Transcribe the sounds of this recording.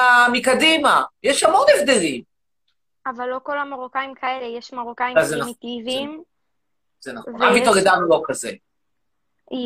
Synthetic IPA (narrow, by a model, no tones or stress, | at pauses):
amikadimajeʃhamo̞nevd̪elim | avalːo̞ko̞lamaʁokaimkʰaelejeʃmaʁokajiazenitivim | z̥enaχona̰vitoɡedanulokaze